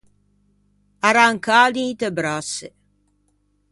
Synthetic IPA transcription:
aɾaŋkaːlit̪ebɾasːe

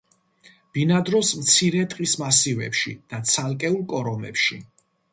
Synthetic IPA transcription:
b̥inad̪ɾɔsmt̪sʰiɾɛt̪ʼqʼismasivɛ̰pʃḭd̪̥at̪sʰalˠkʼɛulˠkʼɔɾɔmɛ̰pʃi

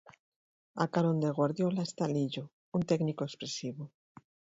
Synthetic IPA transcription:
akaɾond̪eɣ̞waɾðjolast̪aliʎo | unt̪eknikoekspɾesiβo

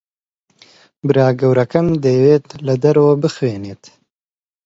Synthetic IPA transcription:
bɨɾaːɡɐwɾɐkɐmd̪ejweːt̪lɐd̪ɐɾɐwɐbɨxweːneːt̪

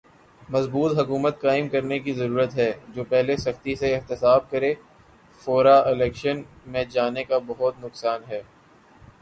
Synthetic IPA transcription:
mɐzbuːt̪ɦɐkuːmət̪̚kaːɪmkɐɾnekizɐɾuːɾət̪ɦɛːd͡ʒoːpɛɦlesɐxt̪iseɪɦt̪ɪsaːb̚kɐɾeː | foːɾaɪlɛːkʃən | mẽd͡ʒaːnekabɐɦʊt̪̚nʊksaːnɦɛː

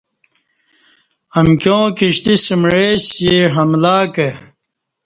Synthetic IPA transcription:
ɐmkjõːkiɕt̪isimɻeːsjiɦɐmlaːke

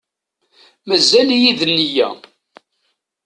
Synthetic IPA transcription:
mæzːæljiðənːijæ̰

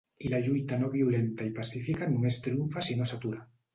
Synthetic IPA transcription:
ilaʎujt̪anoβiulent̪aipasifikanumest̪ɾiuɱfasinosat̪uɾa

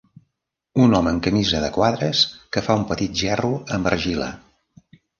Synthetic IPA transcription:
unɔməːŋkəmizəðəkwaðɾəskəfaumpət̪it̪̚ʒɛruəmbəɾʒilə̰

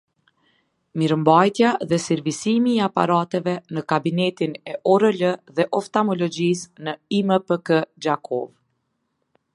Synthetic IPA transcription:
miɾəmbajt̪jaðɛsiɾvisimiːapa̰ɾat̪ɛvɛnəkabinɛt̪inɛʔɔɾələðɛʔɔft̪amɔlɔd͡ʑisnəiməpəkəd͡ʒakʰɔv

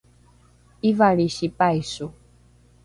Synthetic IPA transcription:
ivaɺiʃipajsu

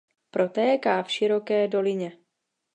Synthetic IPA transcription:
pɾʔo̞t̪ɛːkaːfʃɪɾo̞kɛːdo̞lɪɲɛ

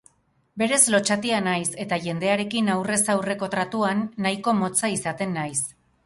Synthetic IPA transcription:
be̞ɾe̞zlo̞t͡ʃat̪ianajse̞t̪aʝe̞nd̪e̞aɾe̞kinawre̞sawre̞ko̞t̪ɾat̪uanːajko̞mo̞t͡saisat̪e̞nːajs

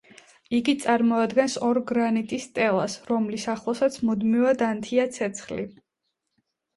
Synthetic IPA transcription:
iɡit̪sʼaɾmɔad̪ɡɛnsɔɾɡɾanit̪ʼist̪ʼɛlˠasɾɔmlisaχlˠɔsat̪sʰmud̪mivad̪ant̪ʰiat̪sʰɛt̪sʰχlḭ

